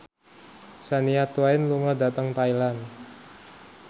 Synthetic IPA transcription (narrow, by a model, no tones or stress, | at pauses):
saniat̪uaɪnluŋɔda̤t̪əŋt̪ailan